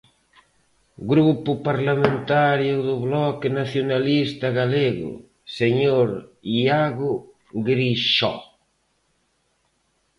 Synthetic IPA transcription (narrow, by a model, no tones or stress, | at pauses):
ɡɾupʊpaɾlamẽnt̪aɾjʊðʊβlɔkɪnaθjonalist̪aɣaleɣʊ̰ | seɲoɾiaɣʊ | ɡɾiʃɔ̰